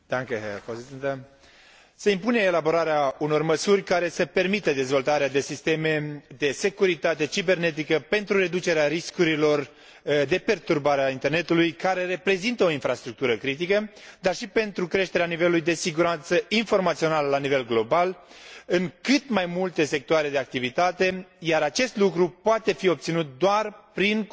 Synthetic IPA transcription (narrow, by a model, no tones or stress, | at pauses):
d̪̥aŋkepozisent̪ə | seimpuneːlabo̞ɾaɾeauno̞rməsurʲkaɾe̞səpe̞rmit̪əd̪e̞zvo̞lt̪aɾead̪e̞sist̪e̞me̞d̪e̞se̞kuɾit̪at̪e̞t͡ʃibe̞rne̞t̪̬ikəpe̞nt̪ɾuɾe̞d̪ut͡ʃe̞ɾeaɾiskuɾilo̞r | d̪e̞pe̞rt̪urbaɾeaint̪erne̞t̪ulujkaɾe̞re̞pɾe̞zint̪əo̞infɾast̪ɾuk̚t̪uɾəkɾit̪̬ikə | d̪arʃipe̞nt̪ɾukɾe̞ʃt̪e̞ɾeanive̞lulujd̪e̞siɡuɾant̪səinfo̞rmat̪sio̞naləlanive̞lɡlo̞balɨŋkɨt̪majmult̪e̞se̞k̚t̪oaɾe̞d̪e̞ak̚t̪ivit̪at̪e̞jaɾat͡ʃe̞st̪lukɾupoat̪e̞fio̞bp̚t̪sinut̪̚d̪oarpɾin